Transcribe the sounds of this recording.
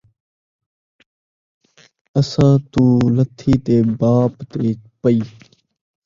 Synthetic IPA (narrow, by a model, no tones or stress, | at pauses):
əsãːt̪uːlət̪ʰːiːt̪eːbaːpt̪eːk̚pəiː